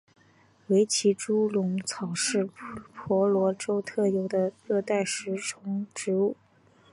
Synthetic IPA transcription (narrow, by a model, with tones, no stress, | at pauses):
we˧˥ɪt͡ɕʰi˧˥ʈ͡ʂu˥lʊ˧˥ŋt͡sʰɑ˨˩ʊʂɻ̩˥˩pʰwɔ˧˥lwɔ˧˥ʈ͡ʂo˥ʊt̪ʰɤ˥˩jo˨˧˩ʊd̪ə˧ɻɤ˥˧t̪a˥˩ɪʂɻ̩˧˥ʈ͡ʂʰʊ˧˥ŋʈ͡ʂɻ̩˧˥u˥˩